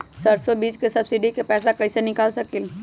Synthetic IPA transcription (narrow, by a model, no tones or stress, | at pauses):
sɐɾsobiːd͡ʒkesɐbsiɖikepɛːsakɐɪsenɪkaːlsɐkil